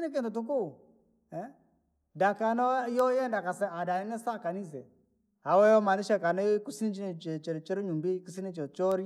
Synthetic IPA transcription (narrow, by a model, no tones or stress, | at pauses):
nik̬intutuk̬u | ɛ | dakanɔjɔjɛndakasɛadaninɛsakanis̬ɛ | hawɛjɔmaniʃɛkanikusinit͡ʃint͡ʃɛt͡ʃɛɾt͡ʃiɾɲumbekus̬init͡ʃɛt͡ʃɔɾi